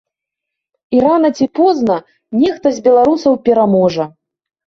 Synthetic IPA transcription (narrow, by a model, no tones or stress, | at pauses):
iɾanɐt͡sʲipɔznɐ | nʲɛxt̪ɐzʲbʲɛlˠaɾusɐwpʲɛɾamɔʐɐ